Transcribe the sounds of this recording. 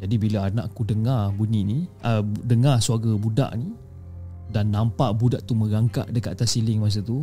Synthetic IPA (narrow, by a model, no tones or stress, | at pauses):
d͡ʒadibilaanã̰ʔkudəŋabuniniʔədəŋasuaɡabuda̰ʔni | danːampaʔbudaʔt̪umə̃ɡaŋka̰ʔdəkat̪at̪asilɪŋmas̬at̪u